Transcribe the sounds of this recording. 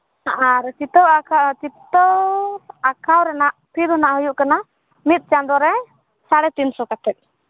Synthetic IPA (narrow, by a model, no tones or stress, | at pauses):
aɾt͡ʃit̪ɔat͡ʃit̪ɔɾakʰawɾɛnaʔpʰid̪ɦɔnaʔɦujuʔkana | mit̪̚ˀt͡ʃand̪ɔɾɛ | saɽɛt̪insɔkat̪ʰɛt̪̚ˀ